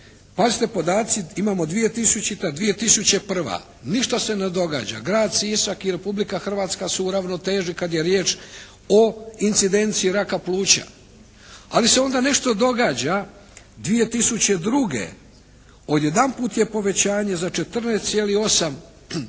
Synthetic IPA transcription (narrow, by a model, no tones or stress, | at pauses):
pazit̪e̞po̞d̪aːt̪siimaːmo̞d̪ʋije̞t̪isut͡ɕit̪ad̪ʋije̞t̪isut͡ɕe̞pr̩ʋa̰ | niʃt̪ase̞ned̪o̞ɡa̰ːd͡ʑa̰ɡɾaːd̪sisakiɾe̞publikaxr̩ʋaːt̪skasuɾaʋno̞t̪e̞ːʒikad̪jeɾjeːt͡ʃ | o̞int̪sid̪e̞nt̪siːɾakaplˠuːt͡ɕa̰ | alise̞o̞nd̪ane̞ʃt̪o̞d̪o̞ɡaːd͡ʑa | d̪ʋije̞t̪isut͡ɕe̞d̪ɾuɡe̞̰ | o̞d̪jed̪anpuːt̪je̞po̞ʋe̞t͡ɕaːɲezat͡ʃe̞t̪r̩neːst̪sjelio̞sam